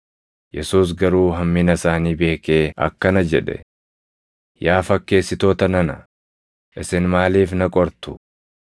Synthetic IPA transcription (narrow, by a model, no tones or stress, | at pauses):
jɛsuːs̬ɡɐɾuːɦɐmːɪnɐsaːniːbe̞ːkeːɐ̰kːɐnɐd͡ʒɛᶑɛ̰ | jaːfɐkːe̞ːsːɪt̪o̞ːt̪ɐnɐnɐ | ʔɪsɪnmaːliːfnɐkʼɔɾt̪ʊ̥